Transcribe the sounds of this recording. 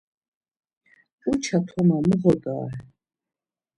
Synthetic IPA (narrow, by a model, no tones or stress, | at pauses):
ut͡ʃʰat̪ʰɔmaməʁɔd̪ʼa̰ːɛ